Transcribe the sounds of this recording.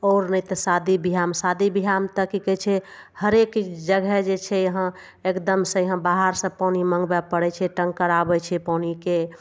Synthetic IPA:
ɔːɾnəjt̪ɔsad̪ibiɦamsad̪ibiɦamt̪əkikɛt͡ʃʰɛ | həɾekd͡ʒəɡɛd͡ʒet͡ʃʰɛjəɦə̃ | ekd̪əmsə̃jəɦə̃baɦaɾsə̃paniməŋɡbɛpəɽɛt͡ʃʰɛʈəŋɡkəɾabɛt͡ʃʰɛpanike

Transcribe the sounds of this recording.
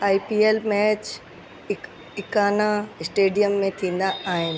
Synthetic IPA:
aːipiːeːlmɛːt͡ɕ | ɪ | ɪkaːnaɪsʈeːɖijəmːẽt̪ʰĩːn̆d̪aaːɦɪnɪ̆

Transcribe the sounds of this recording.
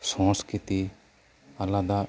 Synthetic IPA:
sɔ̃skit̪i | ɐlad̪a

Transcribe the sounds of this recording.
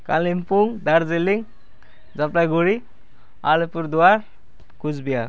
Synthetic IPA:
ka̰limpuŋd̪aɾzeliŋ | d͡zaplaɡuɽi | a̰lepuɾd̪uwaɾ | kud͡ʒbija

